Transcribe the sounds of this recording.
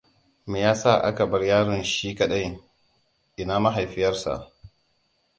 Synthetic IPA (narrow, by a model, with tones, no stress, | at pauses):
meː˨jaː˦sa˦˨ʔa̰˦ka˨bɐ˦rjaː˦ɽɪ˨nʃiː˦kɐ˨ɗɐ˦j | ʔɪ˨naː˦ma˦ɦa˨jɸɪ˦jɐ˦rsa̰˨ʔ